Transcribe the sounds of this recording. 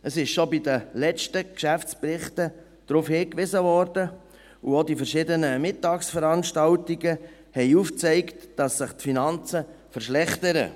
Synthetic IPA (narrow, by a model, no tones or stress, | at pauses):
əsɪʃʃobidəlɛt͡ʃtəkʃæft͡sprɪχtə | d̥ɾufhɪːkʋɪzəvɔːɾdə | uodifɛɾʃɪdənəmɪtːɑːksfəɾɑnʃtɑltiɡə | hɛɪuft͡sɛɪktd̥ɑsːɪχtfinɑnt͡sə | fəɾʃlɛχtəɾə̰